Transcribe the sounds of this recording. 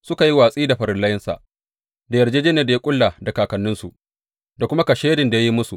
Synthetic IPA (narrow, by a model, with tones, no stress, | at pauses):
sʊ˦ka˨ji˦waː˨sʼiː˦da˨ɸɐ˨ɾɪ˦nlɐ˦jɪ˦nsa̰˨ʔ | da˨jɐ˨rd͡ʒeː˦d͡ʒeː˦neː˨da˨ja˦kʷʼʊ˦lːa˨da˨kaː˨kɐ˨nːɪ˦nsu˨ | da˨kʷʊ˦ma˦kɐ˨ʃeː˦dɪ˨nda˨ja˦ji˦mʊ˦su˨ʔ